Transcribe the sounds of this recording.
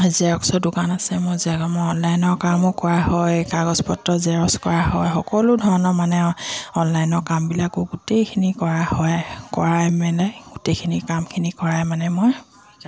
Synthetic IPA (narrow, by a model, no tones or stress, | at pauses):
zaɔksɔdʊkanasɛmʊɹzaɡɔmɔjɔnlajnɔɹkamʊkɔɹahɔjkaɡɔzpɔtɹɔzɛɹɔskɔɹaɦɔjxɔkɔlʊdʱɔɹɔnɔmanɛɔnlajnɔɹkambilakʊɡutejkʰinikɔɹahɔjkɔɹajmɛlɛɡutejkʰinikamkʰinikɔɹajmanɛmʊj